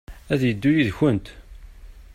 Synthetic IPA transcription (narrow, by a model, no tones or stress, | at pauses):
æðjəd̪ːujiðçənt̪